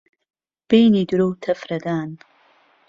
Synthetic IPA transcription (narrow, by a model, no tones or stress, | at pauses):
b̥ejniduɾowtʰɐfɾɐdaːn